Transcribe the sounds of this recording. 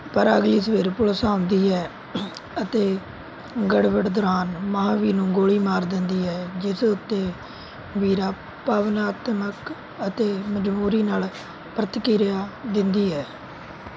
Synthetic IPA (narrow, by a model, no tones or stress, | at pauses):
pəɾəɡliːsəʋeːɾpʊlsaːʊnd̪iːɦɛː | ət̪eː | ɡəɽʋəʈd̪ʊɾaːnməɦãːʋiːnũːɡoːɽiːmaːɾd̪ɪnd̪iːɦɛːd͡ʒɪsʊt̪ːeː | ʋiːɾaː | paːʋnaːt̪mək | ət̪eːməd͡ʒbuːɾiːnaːl | pɾət̪kiːɾjaːd̪ɪnd̪iːɦɛː